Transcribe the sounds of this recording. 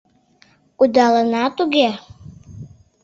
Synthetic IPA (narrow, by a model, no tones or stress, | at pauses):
ud̪ɑlənɑt̪uɡʲe